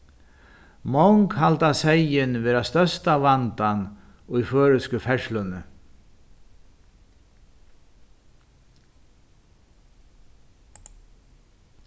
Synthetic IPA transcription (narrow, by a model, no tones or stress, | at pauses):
mɔwŋkhalt̪asejɪnʋeːɾast̪œst̪avant̪an | ʊjføːɹʏskʏfɛʂlʏnʏ